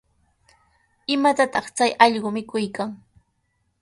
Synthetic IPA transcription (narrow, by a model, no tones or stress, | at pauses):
ɪmat̪at̪ɑχt͡sajɑʎɢʊmɪkʊjkaŋ